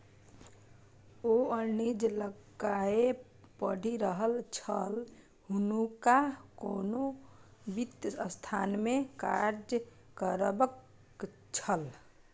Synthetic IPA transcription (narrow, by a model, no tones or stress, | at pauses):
oənid͡ʒləɡae | pəɽ̤ʱiɾəɦəlt͡ʃʰəl | ɦunukakonobit̪əst̪ʰanmẽkaɾd͡ʒ | kəɾbək | t͡ʃʰəl